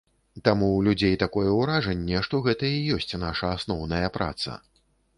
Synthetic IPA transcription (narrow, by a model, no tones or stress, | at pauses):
t̪amulʲud͡zʲejt̪akɔjɛwɾaʐɐnʲːɛʂt̪ɔɣɛt̪ɐijɔsʲt͡sʲnaʂɐasnɔwnɐjɐpɾa̰t̪sɐ̰